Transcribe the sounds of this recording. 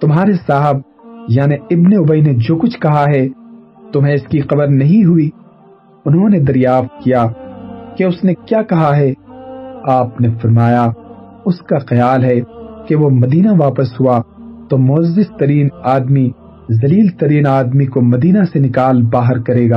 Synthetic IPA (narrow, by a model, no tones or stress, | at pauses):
t̪ʊmɦaːɾesaːɦəb̚ | jaːneɪbneʊbəined͡ʒoːkʊt͡ʃʰkɐɦaɦɛ | t̪ʊmɦẽɪskiqɐbəɾnɐɦĩɦʊi | ʊnɦõned̪ɐɾjaːft̪̚kijaːkeʊsnekjaːkɐɦaɦɛ | aːpnefɐɾmaːja | ʊskaxɐjaːlɦɛkeʋomɐd̪iːnaʋaːpəsɦuat̪omʊɐzːɪst̪ɐɾiːnaːd̪mi | zɐliːlt̪ɐɾiːnaːd̪mikomɐd̪iːnasenɪkaːlbaːɦəɾkɐɾeːɡaː